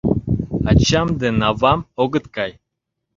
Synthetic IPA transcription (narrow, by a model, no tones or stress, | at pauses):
at͡ʃamd̪ɨnavamoɡɨt̪kaj